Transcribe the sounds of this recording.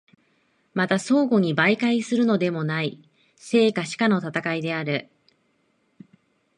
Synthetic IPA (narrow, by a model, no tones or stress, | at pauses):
mat̪aso̞ːɡo̞ɲ̟ibaikaisɨɾɯ̟no̞d̪e̞mo̞nai | se̞ːkaɕi̥kano̞t̪at̪akaid̪e̞aɾɯ̟